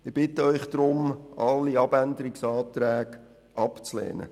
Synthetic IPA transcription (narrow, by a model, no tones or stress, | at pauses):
ɪb̥ɪt̪əœʏχd̥̪ɾʊmʔɑlːiɑb̥ænd̪əɾɪksɑːt̪ɾæːɡ | ʔɑpt͡slɛ̰ːnə̰